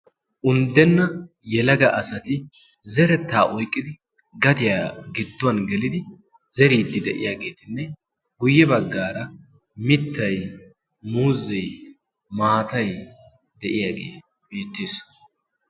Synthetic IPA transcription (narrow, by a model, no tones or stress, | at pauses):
ʔʊnd̪ɛnːɐ | jɛlɐɡɐʔɐsɐt̪ɪ | zɛɾɛt̪ːaːʔɔjkʼːɪd̪ɪ | ɡɐt̪ɪjaːɡɪd̪ːʊwɐnɡɛlɪd̪ɪ | zɛɾiːd̪ːɪd̪ɛʔɪ̰jaːɡe̞ːt̪ɪnːɛ | ɡʊjːɛbɐɡːaːɾɐ | mɪt̪ːɐj | muːzːɛj | maːt̪ɐj | d̪ɛʔɪjaːɡḛː | b̥iːt̪ːeːs